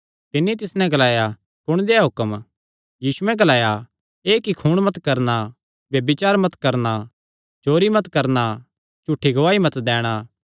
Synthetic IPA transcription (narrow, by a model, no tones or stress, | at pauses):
t̪ɪnːit̪̬ɪsnɛ̃ɡɐlaːja | kʊɽ̃d̪eːaɦʊkəm | jiːsuɛ̃ɡɐlaːja | eːkikʰuːɽ̃mɐt̪kɐɾna | bjɐbɪt͡ʃaːɾmɐt̪kɐɾna | t͡ʃoːɾimɐt̪kɐɾna | t͡ʃʊʈʰːiɡɐʋaːimɐt̪d̪ɛːɽ̃aː